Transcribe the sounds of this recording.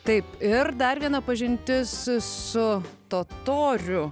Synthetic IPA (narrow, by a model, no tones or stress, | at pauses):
t̪ɐɪpɪrd̪ɐrʋʲiɛnɐpɐʒʲɪnʲt̪ʲɪssʊt̪oːt̪oːɾʲʊ